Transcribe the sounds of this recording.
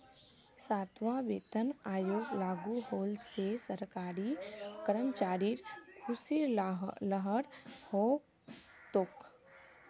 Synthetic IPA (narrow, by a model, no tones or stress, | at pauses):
saːt̪ʋaʋeːt̪ənaːjoːɡlaːɡuɦoːlsesəɾkaːɾikəɾəmt͡ʃaːɾiɾkʰʊsiɾləɦəɾho | t̪ʊk